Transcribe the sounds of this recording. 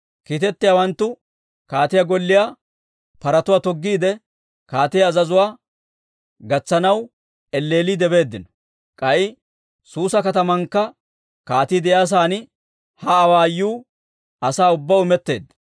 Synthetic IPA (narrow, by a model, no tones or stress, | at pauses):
kiːt̪ɛt̪ːɪjaːwɐnt̪ːʊ | kaːt̪ɪjaɡɔlːɪjaː | pɐɾɐt̪ʊwaːt̪ɔɡːiːd̪ɛ | kaːt̪ɪjaːzɐzʊwaː | ɡɐt͡sːɐnɐw | ʔɛlːe̞ːliːd̪ɛbe̞ːd̪ːɪnɔ̥ | kʼɐʔɪ | suːsɐkɐt̪ɐmɐŋkːɐ | kaːt̪iːd̪ɛjaːs̬aːnɪ | hɐːwaːjːuː | ɐsaːʊbːaʊmɛt̪ːe̞ːd̪ːɐ̥